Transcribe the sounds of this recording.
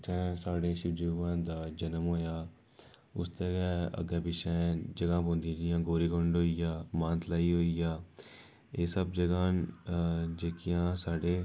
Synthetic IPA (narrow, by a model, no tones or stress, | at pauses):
t͡ʃɛ̃ːsaːɽẽːʃɪbd͡ʒiːʋãːd̪aːd͡ʒənəmɦoːjaː | ʊ̰st̪eːɡɛːə̰ɡɛːpɪʃɛ̃ːd͡ʒəɡãːpõːnd̪ĩd͡ʒɪjãːɡoːɾiːkoɳɖɦoːijaːmãːnt̪ʰlaːiːɦoːijaː | eːsəbd͡ʒəɡãːn | d͡ʒeːkɪjãːsaːɖeː